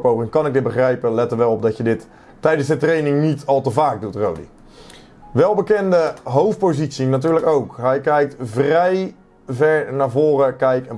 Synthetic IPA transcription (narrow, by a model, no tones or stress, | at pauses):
powrɪŋkɑnɪɡ̚dɪt̚bəχrɛjpəlɛtəɹʋɛlˠɔb̚dɑtjədɪt | tɛjdənsətrejnɪŋnitɑlˠtəvaːk̚dutro̰wdḭ | ʋɛlˠbəkɛndəɦowft̚powzitsinatyːɹləkowkɦɛjkɛjk̚tvrɛj | vɛɹnaːɹvʊːrəkɛjkɛn